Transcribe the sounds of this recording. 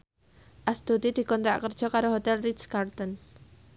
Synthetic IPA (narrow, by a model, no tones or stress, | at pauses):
ʔast̪ud̪id̪̥i̤kɔnt̪ɾaʔkərd̥ʒ̥ɔ̤kaɾoɦot̪ɛlridskart̪ɔn